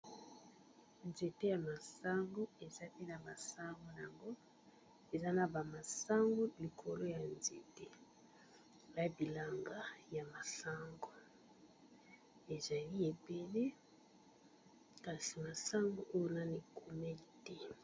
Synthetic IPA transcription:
nze˨te˦ja˨ma˨sa˦ŋɡo˦e˨za˦pe˦na˨ma˨sa˦ŋɡo˦n˨a˨ŋɡo˦ | e˨za˦na˨ba˨ma˨sa˦ŋɡo˦li˨kʰo˨lo˦ja˨nzḛ˨te˦ | ba˦bi˨la˨ŋɡa˦ja˨ma˨sa˦ŋɡo˨ | e˨za˨li˦e˨be˦le˦ | ka˨si˨ma˨sa˦ŋɡo˦ʔo˦jo˦na˦ni˨ku˨mɛ˦˨tɛ˦

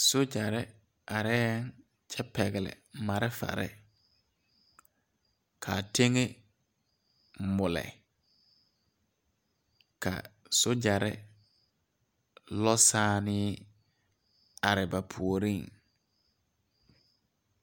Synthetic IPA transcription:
so˦d͡ʒa˨ɾɪ˦ | a˨ɾɛː˦ŋ | t͡ʃʰɛ˦pɛ˨ɣɪ˨lɪ̰˨ma˨ɾɪ˦fa̰˨ɾɪ̰˦ | kʰa˨te˦ŋe˦ | mʊ˨lɛ̰˨ | ka̰˨ | so˦d͡ʒa˨ɾɪ˦ | lɔ˦saː˦nɪ˦ | a˨ɾɪ˨ba˨pʰu˨o˨ɾi˦˨ŋ

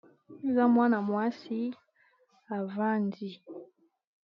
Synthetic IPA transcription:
za˦mwa˦na˨mwa˦si˦ | a˨va˦ndi˦

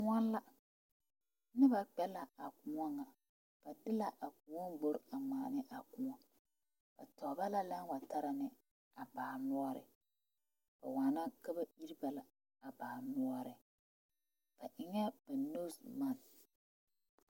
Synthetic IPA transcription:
kʊ˦ŋɔ˦n˦la˦ | nɪ˦ba˨k͡pɛ˦la˨a˨kʊ˨ŋɔ˦ŋa˨ | b̥a˨dɪ˦la˨ʔa˨ku˨ɔ˦mɡ͡bo˨ɾa˨maː˨nɪ˦ʔa˨kʊ˨ŋɔ˦ | b̥a˨tɔ˨ba˦la˦la˦n˦wa˨ta˦ɾa˨nɪ˨ | a˨baː˨nʊ˦ɔ˦ɾɪ̰˨ | b̥a˨waː˨na˦ka˦ba˦i˦ɾi˦ba˨la˨ | a˨baː˨nʊ˦ɔ˦ɾɪ˨ | b̥a˨ʔɪ˨ŋɛ˦b̥a˨no˦sma˦˨n

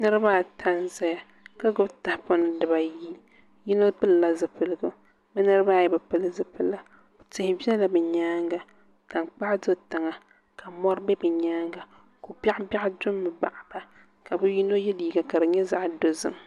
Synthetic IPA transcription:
nɨ˦ɾɨ˦ba˦˨tʰa˦nza˦ja˨ | ka˦ɡʊ˦bta˨hpʊ˦n˨dɨ˨ba˨ji˦ | ji˦no˦pɨ˦lla˨zɨ˨pɨ˨lɨ˨ɡʊ˦ | bɨ˦nɨ˦ɾɨ˦ba˦˨jɛ˨bɨ˨pɨ˦lɨ˦zɨ˦pɨ˦la˨ | tɨ˨hɪ˦bi˦ɛ˦la˨bɨ˨ɲaː˦ŋɡa˨ | ta˨ŋk͡pa˦ʔdo˦ta˨ŋa˨ | ka˨mɔ˦ɾbɛ˦bɨ˨ɲaː˦ŋɡa˨ | ko˨ba˦ʔba˦ʔdʊ˦mːɨ˨ba˨ʔb̥a˨ | ka˨bɨ˦ji˦no˦jɛ˦liː˨˦ɡa˨ka˨dɨ˨ɲɛ˦za˨ʔdo˦zɨ̰˦˨m

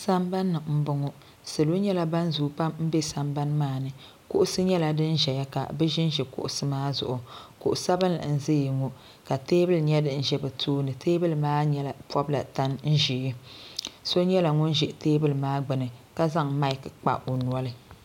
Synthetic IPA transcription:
sa˦mba˦nːɨ˨m̩˦bʊ˨ŋo˦ | sɨ˨lu˦ɲɛ˦la˦ba˦n˦zu˨pa˦mm̩˦bɛ˦sa˨mba˦n˦maː˦˨nɨ˨ | kʊ˦ʔʊ˦sɨ˦ɲɛ˦la˨dɨ˦n˦ʒɛ˨ja˦ka̰˨bɛ˦ʒɪ˦n˦ʒɛ˨kʊ̰˦ʔʊ˨sɨ˦maː˦zʊ̰˨ʔʊ˨kʊ˨ʔʊ˨sa˦bɨ˦na̰˨n̩˨ze˦ji˨ŋo˨ | ka˨teː˦bɨ˦lɲɛ˦dɨ˦˨n̩˦ʒɛ˦bɛ˨tʰoː˦nɨ˨tʰeː˦bɨ˦lɨ˨maː˦ɲɛ˦la˨pwɔ˦bla̰˨ta˦nn̩˦ʒi˨˦i˦ | so˦ɲɛ˦la˨ŋʊ˦nʒɛ˨ʔteː˦bɨ˦lɨ˨maː˦ɡ͡bɨ˨nɨ˨ka˦za˦ŋma˦i˨kɨ˨k͡pa̰˨ʔo˨nu˨˦ɔ˦lɨ˨

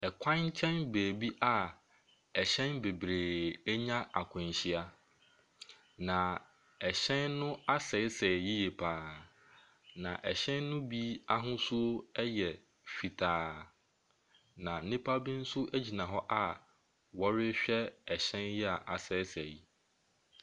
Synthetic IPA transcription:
ɛ˨kʷʰã˦ɲ˦t͡ɕʰɛ̃˦nbeː˨bi˦ʔa˨ | ɛ˨ɕɛ̃˦nbe˨bɾeː˨ɛ˦ɲã˦ʔa˨kʷʰʊ̃˨n˨ɕi˦a˦ | nã˨ | ɛ˨ɕɛ̃˦nːʊ̃˦a˦sɛ˨ɪ˦sɛ˨ji˦je˨pʰaː˨ | nã˨ʔɛ˨ɕɛ̃˦nːʊ̃˦bi˦a˦ɦʊ̃˦sʊ˦o˦ɛ˦jɛ˨ | fi˨tʰaː˨ | nã˨nɪ̃˦pʰa˦bĩ˦n̩˦sʊ˦ʔæ˦d͡ʑi˨nã˨ɦɔ˦ʔa˦ | wɔ˦ɾɪ˦ɕᶣɛ˦ɛ˨ɕɛ̃˦njɛ˦a˨ʔa˨sɛ˨ɪ˦sɛ˨ji˦

